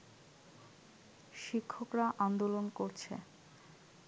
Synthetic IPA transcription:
ʃikʰːokɾaʔand̪olonkoɾt͡ɕʰḛ

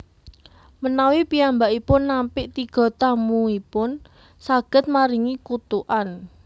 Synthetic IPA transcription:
mənawipiambaʔipʊnːampɪʔt̪iɡ̥ɔ̤t̪amuipʊn | saɡ̥ə̤t̪̚maɾiŋikut̪uʔan

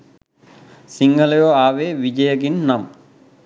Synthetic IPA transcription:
siŋɡʱɐlɐjoaːʋeːʋid͡ʒɐjɐɡinnam

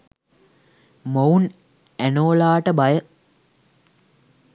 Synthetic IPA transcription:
moun | ænoːlaːʈəbajə

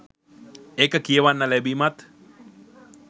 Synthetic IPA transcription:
ekəkieəʋanːalɛbimat̪

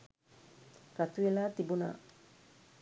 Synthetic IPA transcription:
kat̪uelaːt̪ibuna̰

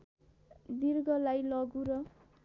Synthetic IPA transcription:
d̪irɡʌlajlʌɡuɾʌ

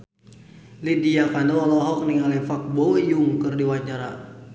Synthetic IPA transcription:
lidiakandɔlɔlɔɦɔk̚niŋalɛfak̚bɔwjuŋkɨrdiwaɲt͡ʃaɾa̰

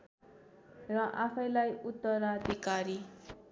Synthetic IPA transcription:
rʌʔapʰʌjlajut̪ːʌɾad̪ʱikaɾi

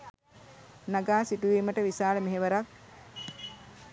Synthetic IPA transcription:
naɡaːsiʈuʋiːməʈəʋisaːləmeɦeʋəɾak

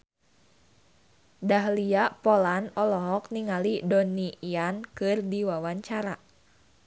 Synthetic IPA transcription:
daɦliaʔpɔlanɔlɔɦɔk̚niŋalidɔniiankɨrdiwawaɲt͡ʃaɾa

